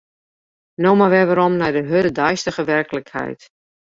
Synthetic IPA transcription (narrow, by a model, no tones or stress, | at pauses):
nowmaʋɛʋaɾɔmnɛjdəɦødədajstəɣəʋɛrkələkhɛ̰jt